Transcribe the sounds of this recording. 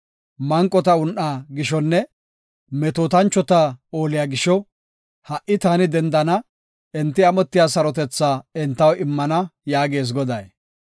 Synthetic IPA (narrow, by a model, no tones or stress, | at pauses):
mɐŋkʼːɔt̪ɐʊnʔaːɡɪʃɔnːɛ | mɛt̪oːt̪ɐnt͡ʃːɔt̪aoːlɪjaːɡɪʃɔ | hɐʔːɪt̪aːnɪd̪ɛnd̪ɐnɐ | ɛnt̪ːɪɐmɔt̪ːɪjaːsɐɾɔt̪ɛt͡sːaːɛnt̪ːɐwɪmːɐnɐjaːɡe̞ːs̬ɡɔd̪ɐj